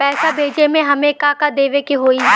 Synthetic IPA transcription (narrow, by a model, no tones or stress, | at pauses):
pɛːsabʱeːd͡ʒemẽɦɐmẽkaːkad̪eːʋekeɦoːi